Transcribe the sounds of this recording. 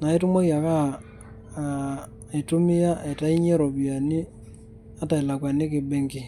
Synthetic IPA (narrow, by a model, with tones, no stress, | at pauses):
na˨i˦tʊ˦mo˦kja˨ka˦˨ | i˨tʊ˦mɪ˦ja˦e˨ta˦i˦ɲe˦ɾo˨bi˨a˨nɪ˦ | a˦ta˨i˨la˨kwa˨nɪ˦kɪ˨be˦ŋkɪ˦